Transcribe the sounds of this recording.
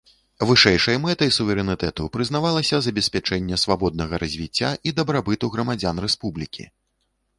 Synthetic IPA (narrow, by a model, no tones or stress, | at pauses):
vɨʂɛjʂɐjɐmɛt̪ɐjsuvʲɛɾɛnɨt̪ɛt̪upɾɨznavalˠɐsʲɐzɐbʲɛsʲpʲat͡ʂɛnʲːɛsvabɔd̪̚nɐɣɐɾɐzʲvʲit͡sʲːaʔid̪ɐbɾabɨt̪uɣɾɐmad͡zʲanrɛspublʲikʲḭ